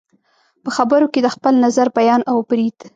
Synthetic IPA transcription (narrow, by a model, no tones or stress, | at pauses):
pəxabəɾoked̪əxpəlnazaɾbajɑnawbɾid̪̥